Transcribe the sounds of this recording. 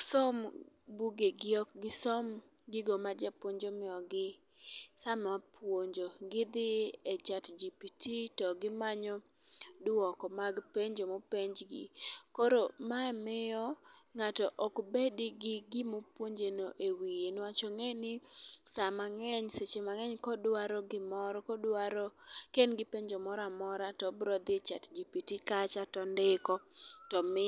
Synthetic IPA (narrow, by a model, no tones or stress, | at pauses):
sɔm | buɡeɡɪɔkɡɪsɔmɡɪɡomad͡ʒapwoɲd͡ʒomɪɔɡɪ | samapwoɲd͡ʒoɡɪd̪ɪɛt͡ʃatd͡ʒipititɔɡɪmaɲɔ | dʊwɔkɔmaɡpeɲd͡ʒomopeɲd͡ʒɡɪ̰kɔɾomaɛmɪɔŋatɔʔɔkbediɡɪɡɪmopwoɲd͡ʒenoʔewijenwat͡ʃɔŋenɪsamaŋɛɲset͡ʃemaŋɛɲkɔdwaɾɔɡɪmɔɾɔkɔdaɾɔkenɡɪpeɲd͡ʒomɔɾamɔɾatɔbɾɔd̪et͡ʃatd͡ʒipitikat͡ʃatɔndɪkɔtɔmɪ